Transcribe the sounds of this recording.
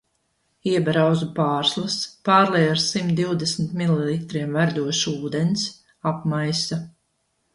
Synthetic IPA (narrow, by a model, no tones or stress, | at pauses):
iɛbɾawzupaːɾslˠaspaːɾlɛjaɾsimt̪̚d̪iwd̪ɛsmt̪mililˠit̪ɾiɛmvæɾd̪uɔʃuːd̪ɛns | apmajsa